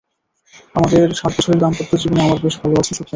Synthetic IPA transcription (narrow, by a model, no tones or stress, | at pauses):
amad̪eɾʃaɾt̪ːoʃoɾiɾd̪ampot̪ːod͡ʑiboneamaɾbeʃbʱaloat͡ɕʰeʃok̪ʰːa